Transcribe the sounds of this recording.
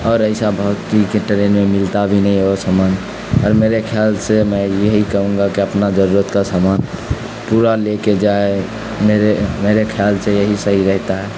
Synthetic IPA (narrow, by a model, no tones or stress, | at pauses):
ɔːɾəɪsabʱəwt̪ikeʈəɾenmemilt̪abʱinɛĩosamaːn | ɔːɾmeɾekʰaːlsemɛ̃jəɦikəɦũŋɡakiəpnad͡ʒəɾuɾət̪kasaman | puɾaleked͡ʒae | meɾemeɾekʰalsejəɦisəɦiɾɛɦt̪aɦɛ